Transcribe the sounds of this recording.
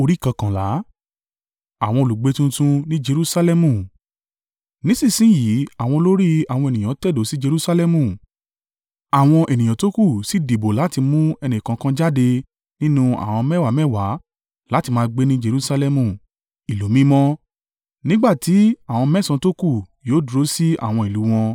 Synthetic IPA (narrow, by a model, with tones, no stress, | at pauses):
o˧ɾi˦˨kã˨kã˨la˨˦ | a˨w̃ɔ̃˧o˧lu˨ɡ͡be˨˦tũ˦tũ˧nĩ˦d͡ʒe˧ɾu˦sa˧lɛ˦mũ˧˨ | nĩ˨˦sĩ˦˨sĩ˨˦ji˨˦a˦˨w̃ɔ̃˧lo˦ɾi˦a˨wɔ̃˧e˨nĩ˨ã˨˦tɛ˦˨do˨˦si˦d͡ʒe˧ɾu˦sa˧lɛ˦mũ˧˨ | a˨w̃ɔ̃˧ʔe˨nĩ˨j̃ã˨to˦ku˦˨si˦di˨bo˨la˨˦ti˧mũ˦ɛ˧nĩ˨kã˨˦kã˦d͡ʒa˦de˧ | nĩ˦nũ˦a̰˦˨w̃ɔ̃˧mɛ˦˨wa˨˦mɛ˦˨wa˨˦ | la˦ti˧mãː˧ɡ͡be˦nĩ˦d͡ʒe˧ɾu˦sa˧lɛ˧mũ˦˨ | i˨lo˨˦mĩ˦mɔ̃˦ | nĩ˦ɡ͡ba˦˨ti˨˦a˦˨w̃ɔ̃˧mɛ˦sã˧to˦ku˦˨joː˨˦du˧ɾo˦si˦a̰˨w̃ɔ̃˧i˨lu˨˦w̃ɔ̃˧